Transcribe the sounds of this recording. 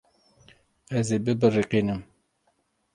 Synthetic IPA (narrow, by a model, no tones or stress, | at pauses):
ɛzeːbɨbɨriqinɨm